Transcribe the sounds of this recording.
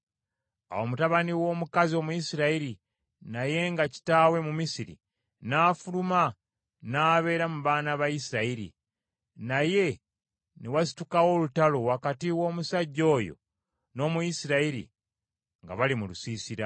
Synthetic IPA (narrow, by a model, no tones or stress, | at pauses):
a̰wo̞mutaβaniwo̞ːmukazio̞ːmujisiɾaiɾi | naje̞ŋɡaci̥taːwe̞mumisiɾḭ | naːfuluma | naːβe̞ːɾamuβaːnaβajisiɾaiɾḭ | naje̞ | newasi̥tukawo̞lutalo̞wakatiwo̞ːmusaɟːo̞ːjo̞̰ | no̞ːmujisiɾaiɾḭ | ŋɡa̰βalimulusiːsiɾa